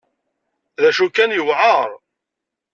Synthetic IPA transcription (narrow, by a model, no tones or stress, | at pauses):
ðæʃukænjəwʕəɾˤ